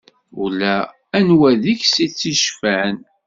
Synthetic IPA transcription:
ʊ̰læː | nwæðiçsit͡sːiʃfæn

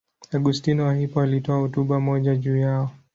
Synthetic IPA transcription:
aɡustinwahipɔalitɔahɔtuɓamɔʄaʄuːjaɔ

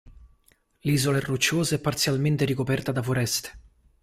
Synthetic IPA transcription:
liːzoleɛrːut͡ʃːoːzeɛpːart̪sjalment̪eɾikopɛrt̪ad̪afoɾɛst̪e̥

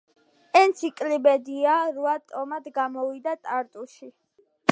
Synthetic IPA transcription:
ɛnt̪sʰikʼlibɛd̪iaɾuat̪ʼɔmad̪ɡamɔvid̪at̪ʼaɾt̪ʼuʃi

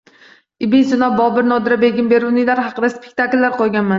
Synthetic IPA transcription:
ɪbensonabɒbɪɾnɒd̪ɪɾabe̞ɡʲɪmbe̞ɾunɪlaɾɦɑqɨd̪aspʰek̚ʲt̪ʰakʲlːaɾqʰojˠɡʲanman

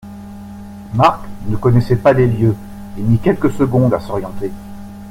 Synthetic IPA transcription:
maʁknəkɔnɛsɛpaleljø | emikʲɛlkəsəɡɔ̃d̪asɔʁjɑ̃t̪e

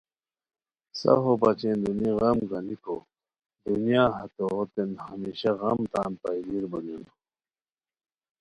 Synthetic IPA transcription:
sɐ̰ɦobɐt͡ɕend̪uniɣɐmɡɐnikʰo | d̪unijaːɦɐt̪oːt̪enhɐmiːɕɐɣɐmt̪aːnpajliɾbɐlunu

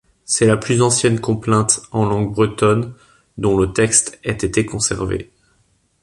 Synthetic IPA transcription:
sɛlaplyzɑ̃sjɛnkɔ̃plɛ̃t̪ɑ̃lɑ̃ɡbʁət̪ɔn | d̪ɔ̃lət̪ɛkst̪ɛt̪et̪ekɔ̃sɛ̰ʁvḛ

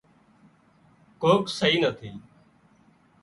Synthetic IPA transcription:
koːksəɦiːnət̪ʰiː

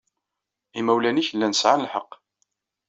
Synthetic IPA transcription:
imæwlæniçəlːænsʕanəlħəqː

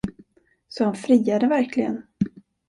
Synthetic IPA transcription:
sɔhanfɾiːad̪əvæɾkʰlɪɡə̰n

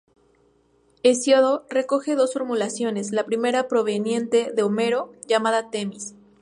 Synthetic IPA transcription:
esjoðore̞ko̞xe̞ðo̞sfo̞ɾmulasjo̞ne̞zlapɾime̞ɾapɾo̞β̞e̞njẽ̞nt̪e̞ðe̞ome̞ɾo̞ʝamaðat̪e̞mis

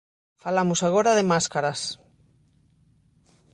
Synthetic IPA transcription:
falamusaɣ̞oɾaðemaskaɾas

